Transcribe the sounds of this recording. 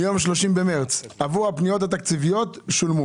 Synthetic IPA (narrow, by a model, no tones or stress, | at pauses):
jo̞mʃ̬lo̞ʃimbemeʁt͡savuhapnijo̞t̪̬hat̪akt͡sivijo̞tʃulmu